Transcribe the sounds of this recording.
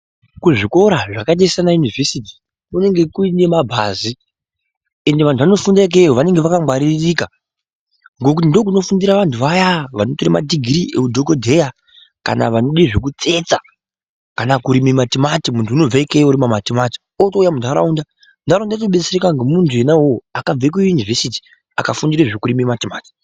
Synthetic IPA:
kuʐiko̞ɾaʐakaɗeisanajunive̞siti̥ | mune̞ŋɡe̞kuine̞mabʱa̰ːzi | e̞nde̞ʋantuʋano̞fundaik̬eoʋane̞ŋɡeʋakamwaɾirika | ŋɡo̞kutindo̞k̬uno̞fundiɾaʋantʰuʋajaʋanotoɾima̰diɡʱiɾiʔḛkudʱokodʱe̞ja | ka̰na̰ʋano̞ɗiʐek̬ut͡se̞t͡sa | kanakuɾimimatimatimuntʰuːno̞b͡vaikejuɾimamatimati̥ | otoujamundʱaɾa̰unda | ndʱaɾaundatoɓet͡serekaŋɡemuntʰue̞nawoakab͡vek̬ujjunivesiti̥ | a̰kafundiɾeʐekuɾimimatimaːti̥

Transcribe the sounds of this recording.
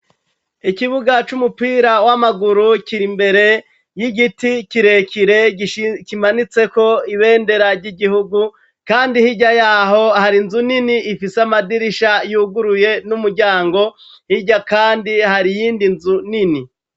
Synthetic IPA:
ikiβuɡat͡ʃumupiːɾawamaɡuɾukiɾimbe̞ɾe̞ | jiɡitikiɾe̞kiɾekimanit͡se̞ko̞iβe̞ːnde̞ɾaɾɟiɡihuɡu | kaːndihiɟajaːɦo̞haɾinzuniniːfiseamadiɾiʃajuːɡuɾuje̞numuɾɟaːŋɡo̞ | hiɟakaːndihaɾijiːndinzunini

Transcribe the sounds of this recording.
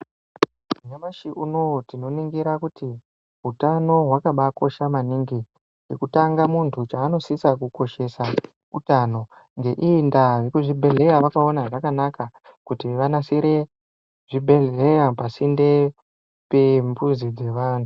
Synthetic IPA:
uɲamaʃiuno̞tino̞niŋɡiɾakuti | ɦutano̞ɦwakaɓako̞ʃamaniːŋɡi | jekutaŋɡamuntʰut͡ʃaːno̞sisakuko̞ʃe̞sa | utano̞ | ŋɡe̞ʔindajekuʐibʱe̞ɮe̞jaʋakao̞naʐakanakakutiʋanasiɾe̞ | ʐibʱe̞ɮejapasinde̞ | pembuzid͡ze̞ʋantʰu

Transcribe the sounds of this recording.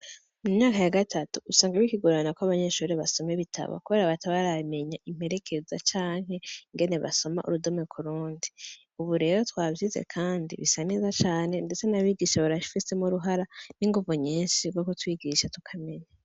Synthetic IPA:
mumɲaːkajaɡatʰatuːsaːŋɡaβikiɡuɾanakoaβaɲe̞ʃuːɾeβaso̞meβitʰa̰βa̰kuβe̞ːɾaβatʰaβaɾame̞ɲaʔim̥he̞ɾe̞kʰe̞zat͡ʃaːŋɦe̞iŋɡe̞ne̞βa̰so̞ma̰ʔṵɾudomŋekʰuɾuːndi | uβuɾe̞ːɾotwaːvjizḛkʰaːndḭβisanizat͡ʃaːne̞nde̞t͡se̞naβiːɡiʃaβaɾaʃi̥fisemuɾuɦaɾaniŋɡuvuɲiːnʃiɡokotwiːɡiʃatu̥kʰame̞ɲa

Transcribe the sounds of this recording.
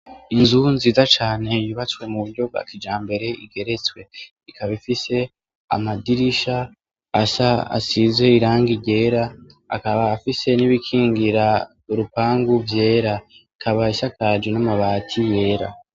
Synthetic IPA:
inzunziːzat͡ʃaːne̞jiβat͡swe̞muβuɾɟo̞bɡa̰kid͡ʒaːmbe̞ɾe̞iɡe̞ɾe̞t͡swe̞ | ikaβifise̞ | a̰madiɾiʃaː | saa̰sizwe̞iɾaːŋɡiɟe̞ːɾa̰ː | kaβaːfise̞niβikʰiːŋɡiɾa | uɾupaːŋɡuvje̞ːɾaikʰaβaisakad͡ʒwenamaβaːtʰije̞ːɾa̰

